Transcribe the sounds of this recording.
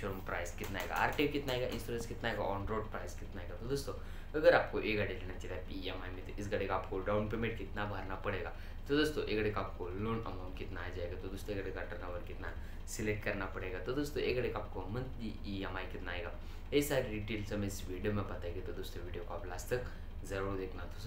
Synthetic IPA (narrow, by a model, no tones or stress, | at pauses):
ʃɐɾumpɾa̰ːjzkɪt̪naːɦeɡa̰a̰ːɾʈeʋkɪt̪naːɦeɡaʔɪ̰̃nsʈoɾenskɪt̪naːɦeɡa̰ɔːnɾoːɖpɾaːɪskɪt̪naːɦeːɡat̪od̪oːst̪o | əɡəɾaːp̚koʔeɡaɽeleːnat͡ʃilapiemaːimẽt̪oʔɪsɡɐɽekaːpkoɖaːwnpeːmẽɳʈkɪt̪nabʱaɾnapɐɽeːɡa | t̪od̪oːst̪oʔekɐɽekaːp̚koloːnɐ̰maʊ̃ɳʈkɪt̪naːjad͡ʒaːeɡat̪od̪oːst̪õeɡɽeɡaʈɐɾnaʋəɾkɪt̪na | sɪlek̚ʈkɐɾnapɐɽeːɡat̪od̪oːst̪õʔeːkɽekaːp̚komɐ̃nt̪i | iɛmaːikɪt̪naːɦeɡa | esaːɾiɖiːʈeːlsɐmeɪsʋiːɖijomẽbɐt̪aeɡet̪od̪oːst̪oʋiːɖijokoaːplaːst̪ɐk | zɐɾuːɾd̪eːkʰnat̪os